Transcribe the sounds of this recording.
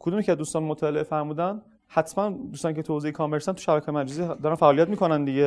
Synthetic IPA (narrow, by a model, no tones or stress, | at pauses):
kʰod̪uːmicʰæzd̪uːst̪ɒːnmot̪ʰɒːleʔefæɾmuːd̪æn | hæt̪ʰmænd̪uːst̪ɒːnicʰet̪ʰoziekʰɒːmeɾst̪ænt̪u̥ʃæbækʰɑːjemæd͡ʒæzid̪ɒːɾænfæʔːlijæt̪̚miːkʰonænd̪iɟe